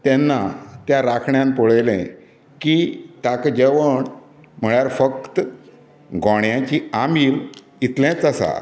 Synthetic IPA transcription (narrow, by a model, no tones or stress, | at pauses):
t̪ɛnːat̪jãɾakʰɳjãnpoɭejlḛ̃ | kit̪akd͡ʑeʋəɳ | m̤əɭjaɾfəkt̪ | ɡɔɳjãt͡ɕiːamiːl | it̪lãt͡səsa̰